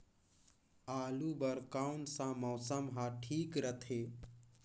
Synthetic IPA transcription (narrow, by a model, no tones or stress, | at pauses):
aːlubəɾkawnsãmɔːsəmɦãʈʰiːkɾət̪ʰeː